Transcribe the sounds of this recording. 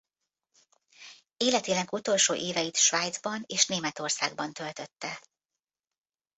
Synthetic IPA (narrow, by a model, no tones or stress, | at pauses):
eːlɛt̪eːnɛɡut̪o̞lʃo̰ːʔeːvɛjit̪ʃʋaːjd̪zbɒneːʃneːmɛt̪o̞rsa̰ːɡbɒnt̪ø̞lt̪ø̞t̪ːɛ